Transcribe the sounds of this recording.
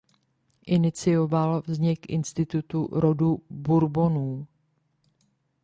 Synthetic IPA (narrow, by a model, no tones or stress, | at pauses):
ʔɪnɪt͡sɪjo̞valvzɲɪkʔɪ̰nst̪ɪt̪ut̪uɾo̞dubuɾbo̞nuː